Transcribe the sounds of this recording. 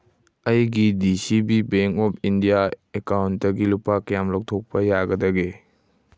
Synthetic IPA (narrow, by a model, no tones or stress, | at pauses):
ɐjɡidisibibeŋkɔpʰindijaekawntdɐɡilupakɐjamlok̚tʰok̚pɐjaɡɐdɐɡe